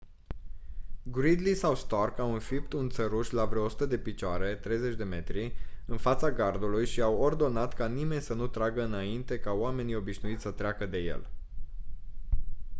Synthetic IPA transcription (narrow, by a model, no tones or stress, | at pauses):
ɡɾid̪lisawst̪arkawɨnfip̚t̪unt̪səɾuʃlavɾoosu̥t̪əd̪e̞pit͡ʃoaɾe̞t̪ɾe̞jze̞t͡ʃʲd̪e̞me̞t̪ɾiɨnfat̪saɡard̪ulujʃiaword̪o̞nat̪kanime̞nʲsənut̪ɾaɡəɨnaint̪e̞kaoame̞nio̞biʃnuit̪ssət̪ɾeakəd̪e̞je̞̰l